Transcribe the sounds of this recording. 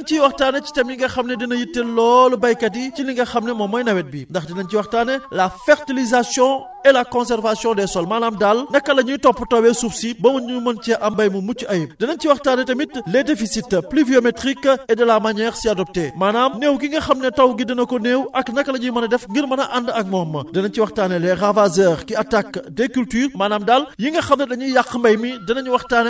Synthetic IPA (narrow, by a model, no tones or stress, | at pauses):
ɐnciwɐxtaːnɛci̥tɐmiŋɡɐxɐmnɛdinɐjitːɛlɔːlɔbɐjkɐt̬iciliŋɡɐxɐmnɛmɔmɔjnɐwɛt̚bindɐxdɛnɐnciwɐxtaːnɛlɐfɛɾtilizasjɔ̃ | ɛlɐkɔ̃nsɛɾvasjɔ̃dɛsɔlmaːnaːmdalnɐkːɐlɐɲutɔpːutɐwɛsufsibɐmɐɲumɐnt͡ʃɛʔɐmbɐjmumut͡ʃːiʔɐjdɛnɐnciwɐxtaːnɛtɐmitlɛdefisitːpliviometʁikːɛdɐlamɐɲɛxsiɐdɔp̚temaːnaːmneːwɡiŋɡɐxɐmnɐtɐwɡidɐnɐkɔneːwʔɐknɐkːɐlɐɲumɐnɐdɛfŋɡiɾmɐnɐʔandɐk̚mɔːmːɐdɐnɐnciwɐxtaːnɛlɛravazɛːɾkiatakːdekyltyːrmaːnaːmdaljiŋɡɐxɐmnɐdɐɲujakːmbɐjmidɐnɐɲuwɐxtaːnɛ